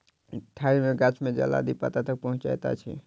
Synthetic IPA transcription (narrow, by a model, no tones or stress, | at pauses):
ʈʰːaimeɡat͡ʃʰmẽd͡ʒə̰la̰d̪ipa̰t̪at̪ək̚pəɦʊ̃t͡ʃa̰jt̪a̰t͡ʃʰḭ